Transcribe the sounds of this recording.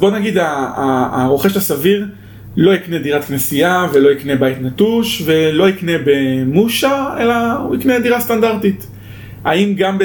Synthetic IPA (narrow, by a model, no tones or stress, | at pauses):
zbo̞naɡid̪a̰ː | ʁo̞χeʃlasaviʁ | lo̞iknediʁat̪knesijavelo̞ikne̞bajt̪natuʃve̞lo̞ikne̞bemuʃae̞lauiknediʁastandaʁtit | aimɡamb